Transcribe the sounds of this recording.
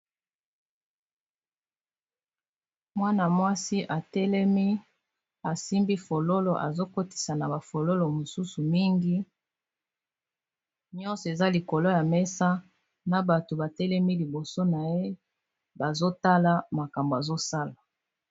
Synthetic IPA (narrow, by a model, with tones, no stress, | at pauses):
mwa˦na˨mwa˦si˦ʔa˨tɛ˦lɛ˦mi˦ | a˨si˦mbi˦fo˨lo˦lo˨ʔa̰˨zo˦ko˦ti̥˨sa˨na˨ba˨fo˨lo˦lo˨mo˨su˦su˨mi˦ŋɡi˦ | ɲɔ̃˦nsɔ˨e˨za˦li˨ko˨lo˦ja˨mɛ˦sa˦ | na˨ba˨to˨ba˨tɛ˦lɛ˦mi˦li˨bo˨so˦na˨je˦ | ba˨zo˦ta˦la˦ma˨ka˨mbo˨a˨zo˦sa˦la˨